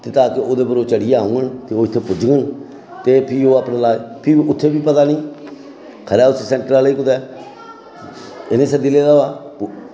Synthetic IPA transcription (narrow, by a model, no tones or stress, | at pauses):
t̪eːt̪aːkɪoːd̪eːbəɾoːt͡ʃəɽɪjaːũːɡənt̪eːoːɪt̪ʰːeːpʊd͡ʒɡən | t̪eːpʰɪoːaːpnãːlaːpʰɪʊt̪ʰːeːbiːpət̪aːnĩː | kʰəɾaːʊsesɛ̃ːɳʈəɾaːliːkʊt̪ɛː | ɪnẽːsəd̪iːleːd̪aaː